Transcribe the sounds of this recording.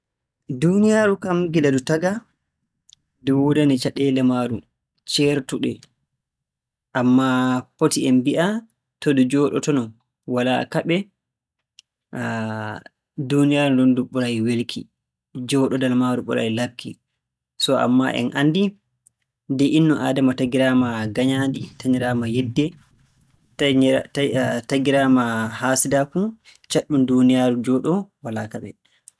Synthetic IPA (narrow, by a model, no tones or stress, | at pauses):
dunijaɾukamɡidadutaɡa | dɛwodanɛt͡ʃaɗɛlɛmaɾu | t͡ʃɛɾtuɗɛ | ʔamːapotiɛmbiʔa | tɔdɛd͡ʒɔɗɔ̰tɔnɔn | wala̰kaɓɛ | dunijaɾundɔnduɓːuɾajiwelkʰḭ | d͡ʒɔɗɔdalmaɾuɓuɾa̰jilab̚kʰḭ | sɔa̰mːa̰ʔɛ̰nʔa̰ndi | ndɛʔinːɔʔa̰ːdamataɡiɾamaɡaɲaːnditaɲiɾaːmajɛdːɛ | taɡiɾamahaːsidafu | t͡ʃaɗːundunijaːɾud͡ʒɔːɗɔwala̰kaɓɛ